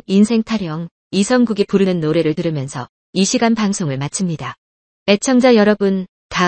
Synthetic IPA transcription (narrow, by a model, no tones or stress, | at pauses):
insʰeŋtʰaɾjʌŋ | isʰʌŋɡuɡipuɾɯnɯnːoɾe̞ɾɯɭtɯɾɯmjʌnsʰʌ̰ | iɕʰiɡanpaŋsʰoŋɯɭmat͡ɕʰɯmɲida | e̞t͡ɕʰʌŋd͡ʑajʌɾʌbɯn | ta